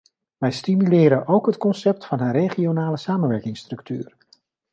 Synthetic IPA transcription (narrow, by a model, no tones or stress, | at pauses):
ʋɛjstimylɪːɾənʔowkɦətkɔnsɛp̚tfɑnɦərejχionaːləsaːmənʋɛɹkɪŋstrɵkty̰ːr